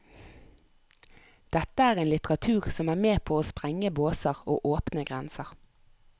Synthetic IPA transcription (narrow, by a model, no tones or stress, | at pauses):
d̪̥ɛt̪əæːʁeːnlɪt̪əʁɑt̪ʰʉːʁsɔmæːʁmeːpʰoːoːspʁɛŋəboːsəʁoːʔoːpnəɡʁɛnsəʁ